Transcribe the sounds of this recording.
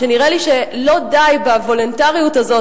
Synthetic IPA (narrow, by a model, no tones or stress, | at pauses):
eniʁeliʃelo̞dajbavo̞lontaʁijutazo̞